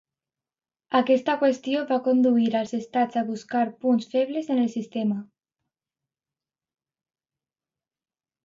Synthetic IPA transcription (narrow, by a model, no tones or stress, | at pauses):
akɛst̪akwest̪joβakond̪uiɾalˠzest̪ad͡zaβuskaɾpunsfɛβlezenelsist̪ema